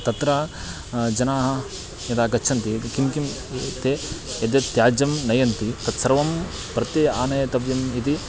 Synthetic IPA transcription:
t̪ɐt̪ɾaː | d͡ʒɐnaːɦɐ̆ | jɐt̪aːɡɐt͡ʃʰɐnt̪ikimkim | t̪eːɐd̪jɐt̪jaːd͡ʒɐmnɐjɐnt̪it̪ɐt̪sɐɾʋɐm | pɾɐt̪iaːnɐjɐt̪ɐbjɐmit̪i

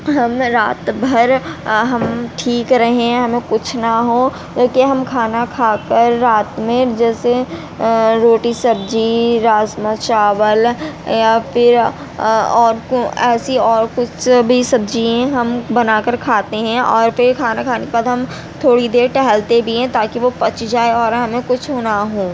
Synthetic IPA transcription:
ɦɐmɾaːt̪bʱɐɾɦɐmʈʰiːkɾɐɦẽɛ̃ɦɐmẽkʊt͡ʃʰnaɦõ | d͡ʒoːkeɦɐmkʰaːnakʰaːkəɾːaːt̪mẽd͡ʒɛːse | ɾoːʈisɐbd͡ʒiɾaːzmət͡ʃaːwəljafʰɪɾ | ɔːɾkoɛːsiɔːɾkʊt͡ʃʰbʱisɐb̚d͡ʒiẽɦɐmbɐnaːkəɾkʰaːt̪eɦɛ̃ʔɔːɾpɪɾkʰaːnakʰaːnekpad̪ɦɐm | t̪ʰoːɽid̪eːɾʈɛɦɛlt̪ebʱiɦɛ̃t̪aːkiʋopɐt͡ʃd͡ʒaːeɔːɾɦɐmẽkʊt͡ʃʰɦoːnaɦõː

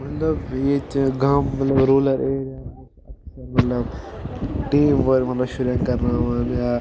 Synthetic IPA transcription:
mɐt̪lɐbjet͡ʃɡaːmːɐt̪lɐbɾoːlɐɾeːɾa | ɐksɐɾmɐt̪lɐb | ʈeːmʋɐɾmɐt̪lɐbʃuɾjãŋkɐɾnaːʋɐnjaː

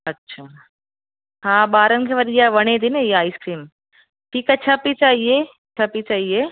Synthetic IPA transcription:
ɐtːʃʰaː | hãːbaːɾɐŋkʰeʋɐɾijaʋɐɳeːd̪inejaːiskɾiːm | ʈʰiːkat͡ʃʰapit͡ʃaːɦijeː | t͡ʃʰapit͡ʃaːɦijeː

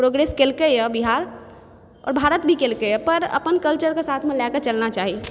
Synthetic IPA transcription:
pɾoɡɾeːskelkəjɛbiɦaːɾ | ɔ̰ːɾbʱaːɾət̪bʱikeːlkəjɛpəɾə̰pənkəlt͡ʃəɾkesaːt̪ʰmẽlɛkət͡ʃəlnat͡ʃaːɦi

